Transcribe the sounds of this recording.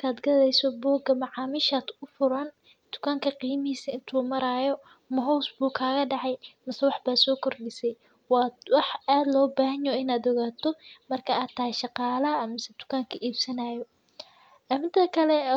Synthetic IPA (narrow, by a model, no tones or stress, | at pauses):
kʰaːd̪ɡɐðɛjsɔbɔːɡɐmɑʕɑːmiʃad̪ʊfʊɾɐn | d̪̥ʊ̥kʰaːŋkʰɐqiːmɪhiːsɐɪnt̪ʰuːmɐɾaːjɔ | mɐɦɔwsbuːkʰaːɣɐɖɑʕɑjmɐsɛwɑħbaːsɔːkʰɔrɖɪsɛj | wɑːwɑħaːd̪lɔːbaːɦɐnɔɪnaːd̪ɔɣaːt̪ʰɔmɐrkʰɐaːt̪ʰaːʃɑqɑːlɐmɪsɛd̪̥ʊ̥kʰaːŋkʰɐʔiːbsɐnaːjɔ | ɐmɪnt̪ʰɐkʰɐlɛ